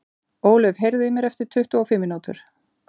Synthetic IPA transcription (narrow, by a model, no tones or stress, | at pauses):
oːwlʏvɦejɾðʏɪmjɛɾɛft̪ɪɾ̥t̪ʰʏht̪ʏɔfɪmːɪnuːt̪ʏ̰ɾ̥